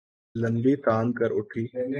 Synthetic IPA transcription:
lɐnɖiːt̪aːnkəɾʊʈʰiː

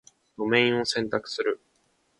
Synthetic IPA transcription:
d̪o̞mẽ̞ĩɰ̃o̞sẽ̞nt̪akɯ̟̥sɨɾɯ̟

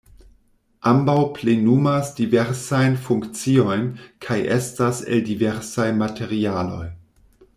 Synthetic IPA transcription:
ʔambawplenumasdiveɾsajnfuŋkt͡sio̞jnkʰajʔḛstasḛldive̞ɾsajmatʰe̞ɾialo̞̰j

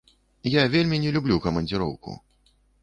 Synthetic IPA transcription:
javʲelʲmʲinʲɛlʲublʲukɐmɐnʲd͡zʲɨɾɔ̰wkṵ

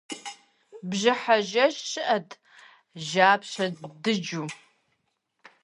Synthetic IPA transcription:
bʒɪħaʒɐʃʃɨʔɐtʰ | ʒaːpɕɐdɨd͡ʒu

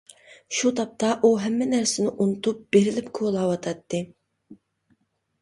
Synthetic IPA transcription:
ʃut̪ʰɑp̚t̪ʰɑʔuɦɛmːɛnæɾsɪnɪʔunut̪ʰup̚b̥eɾɪlɪpkʰolˠɑːwɑt̪ʰɑt̪ʰːɨ

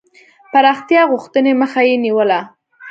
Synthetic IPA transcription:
paɾɑxt̪jɑɣʊxt̪əneməxajeniwəla

